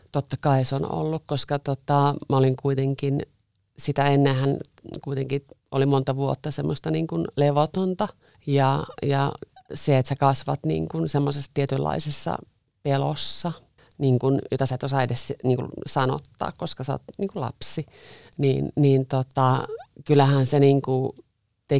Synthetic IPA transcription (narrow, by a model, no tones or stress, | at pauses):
t̪ot̪ːɑkɑisono̰lːukkoskɑt̪ot̪ɑmɑoliŋkuit̪eŋkin | sit̪æenːehæn | kuit̪eŋkiolimont̪ɑʋuot̪ːɑsemːost̪ɑniːŋkunleʋot̪ont̪ɑ | jɑjɑseet̪sekɑsʋɑt̪nḭːŋkunsemːosesːt̪iet̪ylːɑ̰isesːɑ̰ | pelo̰sːɑ | niːŋkunjot̪ɑsæt̪osɑedessniːŋkṵsɑno̰t̪ːɑ̰ːkkoskɑseo̰t̪niːŋkulɑ̰psi | nḭːnniːnt̪ot̪ɑkylːˑæhænseniːŋku | t̪e